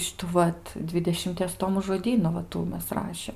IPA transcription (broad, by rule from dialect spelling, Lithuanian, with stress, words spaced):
ˈʃʲɪtuː ˈʋɐt ˈdʲʋʲɪdʲɛʃʲɪmʲtʲiɛs ˈtoːmʊ ʒoːˈdʲiːnʊ ʋɐ ˈtuː ˈmʲɛs ˈrɑːʃʲeːm